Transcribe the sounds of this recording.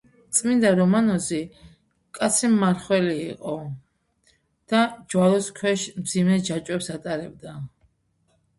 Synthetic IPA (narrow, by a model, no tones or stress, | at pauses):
t̪sʼmind̪aɾɔmanɔzi | kʼat̪sʰimːaɾχwɛlḭːqʼɔ | d̪̥ad͡ʒwalɔskʰwɛʃmd̪zimɛd͡ʒat͡ʃʼwɛpsat̪ʼaɾɛbd̪a